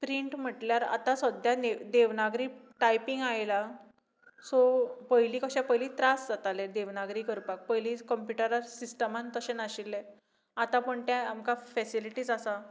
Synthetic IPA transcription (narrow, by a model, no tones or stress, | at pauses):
pɾiɳʈm̤əʈljaɾa̰t̪asəd̪ʱjaned̪eʋnaɡɾiːʈajpiŋɡajla | sopəjliːkəɕãpəɦjliːt̪ɾasd͡zat̪aled̪eʋnaɡɾiːkəɾpak̚pəjliːkəmpjuʈəɾaɾsisʈəmant̪əɕenaɕilːe | at̪ãpəɳt̪jãamkafɛsiliʈiːd͡zasa